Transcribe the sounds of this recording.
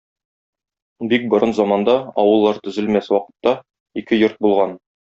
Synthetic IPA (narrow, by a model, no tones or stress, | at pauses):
bik̚bŏɾɤnzɒmɑnd̪ɑɒ̰wɤ̆lˠːɑɾt̪ɵ̆zɘ̆lmæswɒqɤ̥̆t̪ːɑ | ikɘjoɾt̪̚bulˠʁɑn